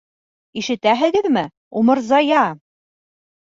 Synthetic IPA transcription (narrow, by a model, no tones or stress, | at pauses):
iʃɘ̆t̪æɦɘ̆ɡɘðmɘ | umɤ̆ɾzɑjɑ